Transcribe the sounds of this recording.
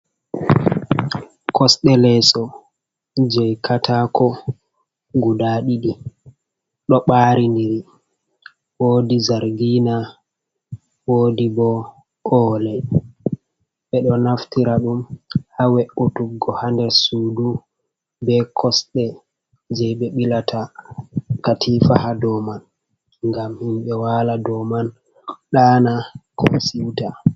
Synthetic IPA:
kʰɔsɗɛlɛsɔ | d͡ʒɛjkʰatʰakɔ | ɡudaɗiɗi | ɗɔɓaːɾindiɾi | woːdizaɾɡina | woːdibɔ | ʔɔːlɛ | ɓɛɗɔnaftiɾaɗumhawɛʔutuɡːɔhandɛɾsuːdu | bɛkʰɔsɗɛ | d͡ʒɛɓɛɓilatʰa | katʰifahadɔman | ŋɡamhimɓɛwaladɔman | ɗaːnako̰siwta

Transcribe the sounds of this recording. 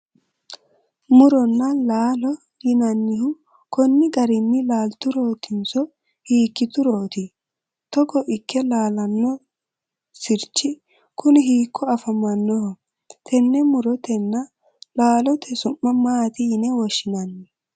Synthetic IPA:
mʊɾɔnːɐlaːlɔ | jɪnɐnːɪhʊ | kɔnːɪɡɐɾɪnːɪlaːlt̪ʊɾoːt̪ɪnsɔ | hiːkːɪt̪ʊɾoːt̪ɪ | t̪ɔkɔʔɪkːɛlaːlɐnːɔ | sɪɾt͡ʃːɪ | kʊnɪɦiːkʰːɔɐfɐmɐnːɔhɔ | t̪ʰɛnːɛmʊɾɔt̪ɛnːɐ | laːlɔt̪ʰɛsʊmːɐmaːt̪ɪnɛwɔʃːɪnɐnːɪ

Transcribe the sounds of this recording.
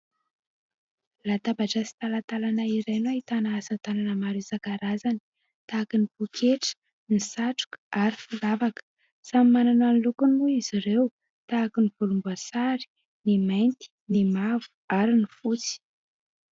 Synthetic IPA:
lat̪abaʈ͡ʂasi̥t̪alat̪alanaiɾajnuaɦit̪anaasat̪ananəmaɾesakaɾazani̥ | t̪aːkinipukʰeʈ͡ʂə̥ | nisaʈ͡ʂu̥kə̥aɾifulavakə̥ | samimanananlukunuiz̥iɾew | t̪aːkinivulumbuasaɾi̥ | nimajnt̪i̥nimavu̥aɾinifut͡si̥

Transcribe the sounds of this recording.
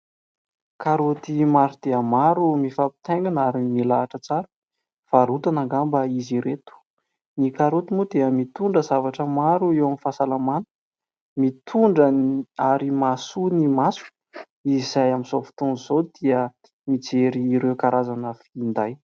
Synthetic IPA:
kaɾot̪imaɾud̪̥eəmaɾumifapi̥t̪eŋɡanaɾimilaːʈ͡ʂət͡saɾə | faɾut̪anaŋɡambəiziɾet̪u̥ | nikaɾot̪imud̪eəmit̪uɳɖ͡ʐəzavaʈ͡ʂəmaɾuewamifasalamanə̥ | mit̪ʰuɳɖ͡ʐəaɾimasunimasu̥ | izajaminzofu̥t̪unizod̪̥iə | mid͡zeɾiːɾewkaɾʔazanəfind̪aj

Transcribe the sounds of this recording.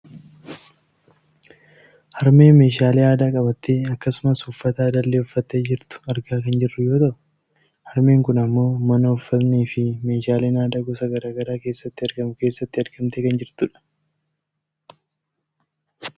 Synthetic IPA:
hɐɾme̞ːnme̞ːʃaːleːaːd̪aːkʼɐbɐt̪ːeːɐkːɐsʊmɐsʊfːɐt̪ɐd̪ɐlːeːʊfːɐt̪ːeːd͡ʒɪɾt̪ʊ̥ɐɾɡaːkɐnd͡ʒɪrːʊjo̞ːt̪ɐʔʊ | hɐɾme̞ːŋkʊnɐmːo̞ːmɐnɐʊfːɐt̪niːfɪme̞ːʃaːleːnaːd̪aːɡɔsɐɡɐɾaːɡɐɾaːke̞ːsːɐt̪ːɪɐɾɡɐmʊke̞ːsːɐt̪ːɪɐɾɡɐmt̪eːkɐnd͡ʒɪɾt̪ʊᶑɐ̥

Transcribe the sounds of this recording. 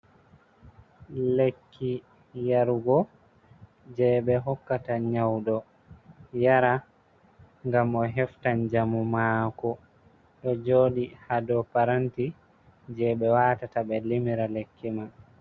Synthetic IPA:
lekʰːi | jaɾɡɔ | d͡ʒɛɓɛɦɔkːataɲawɗɔ | jaɾa | ŋɡamɔɦɛftand͡ʒamumaːkɔ | ɗɔd͡ʒoːɗihadɔpaɾanti | d͡ʒɛɓɛwaːtatabɛlimiɾalekːiman

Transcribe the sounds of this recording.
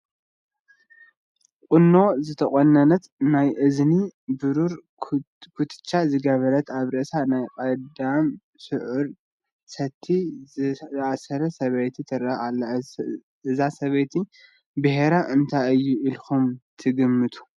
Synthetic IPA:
qʼɨnːo̞zɨt̪ʰɐχʼonːɐnɐt̪najʔɨznibɨɾuɾ | kʰut̪ʰɨ̥t͡ʃːazɨɡɐβɐɾɐt̪aβɾɐsanajkʼɐd̪am | sɨʕʊɾ | sɐt̪ʰːi | asɐɾɐsɐβejt̪ʰit̪ʰɨɾɐalː | ɨzasɐβejt̪ʰi | bɨheɾaʔɨnt̪ʰajɨjːuʔilxumt̪ʰɨɡɨmːɨt̪ʰu̥

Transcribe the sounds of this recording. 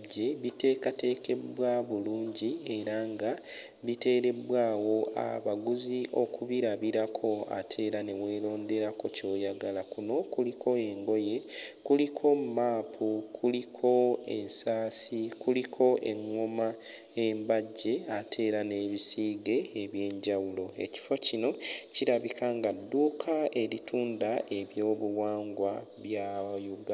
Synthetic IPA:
e̞βite̞ːkate̞ːke̞bwaβuluːɲɟie̞ɾaŋɡa | βite̞ːɾe̞bwaːwo̞a̰βaɡuziʔo̞kuβiɾaβiɾakʰo̞a̰tʰe̞ːɾane̞we̞ːlo̞ːnde̞ɾako̞co̞ːjaɡalakuno̞kulikʰo̞e̞ŋɡo̞je̞kulikʰo̞mumaːpʰukʰulikʰo̞ḛnsaːsikulikʰo̞ʔḛŋwoma | e̞mbaɟːe̞atʰe̞ːɾane̞ːβisiːɡe̞ːβje̞ːɲɟawulo̞e̞̰ci̥fo̞cino̞ciɾaβikʰaŋɡadːuːkʰae̞ɾitʰuːndae̞βjo̞ːβuwaːŋɡwaβjajuɡ

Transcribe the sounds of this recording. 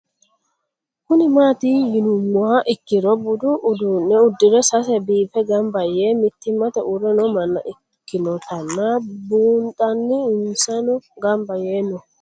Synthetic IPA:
kʊnɪmaːt̪iːjɪnʊmːaːʔɪkːɪɾɔbʊd̪ʊʔʊd̪unːɛʊd̪ːɪɾɛsɐsɛbiːfɛɡɐmbɐjeːmɪt̪ːɪmɐt̪ɛʔʊɾɛnɔmɐnːɐ̰ʔɪ | kːɪnɔt̪ɐnːaːbuːnt̪ʼɐnːɪɪnsɐnɔɡɐmbɐjeːnːɔ

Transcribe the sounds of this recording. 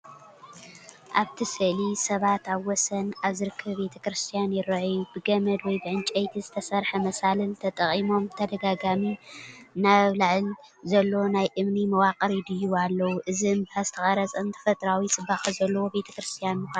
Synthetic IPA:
ʔaβt̪ʰisɨʔlisɐβat̪aβwɔsɐnaβzɨɾɨkʰːɐβbe̞t̪ʰɐkɾɨst̪ʰijanjɪɾɐʕjubɨɡɐmɐd̪wɔjbɨʕɨnt͡ʃʼɐjt̪ʰizɨt̪ʰɐsɐɾħɐmɐsalɨlt̪ʰɐt̪ʼɐχʼimo̞mt̪ʰɐd̪ɐɡaɡaminaββlɨʕɨlzɐlːo̞najʔɨmnimɐwaqʼɐɾid̪ɨjualːɐwuʔɨziɨmbɐzɨt̪ʰɐxʼɐɾɐt͡sʼɨnt̪ʰɐ̥fɐt̪ʼɾawisʼɨbːaxɐzɐlːɐwo̞be̞t̪ʰɐ̥kɾɨst̪ʰijanmɨxʷa

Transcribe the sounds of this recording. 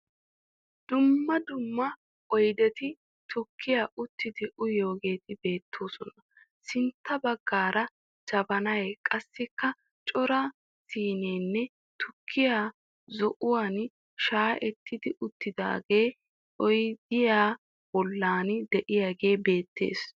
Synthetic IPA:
d̪̥ʊmːɐd̪ʊmːɐ | ɔjd̪ɛt̪ɪ | t̪ʰɔkːɪjaːʔʊt̪ːɪd̪ɪʔʊjo̞ːɡe̞ːt̪ɪbe̞ːt̪ʰːo̞ːsɔnɐ | sɪnt̪ːɐbɐɡːaːɾɐ | d͡ʒɐbɐnɐjkʼɐsːɪkːɐ | t͡ʃʼɔɾɐ | siːne̞ːnːɛ | t̪ʊkʰːɪjaː | zɔʔʊwaːn | ʃaːʔɛt̪ːɪd̪ɪʔʊt̪ːɪd̪a̰ːɡe̞ː | ʔɔjd̪ɪjaː | bɔlːaːnd̪ɛʔɪjaːɡe̞ːbe̞ːt̪ːḛːs

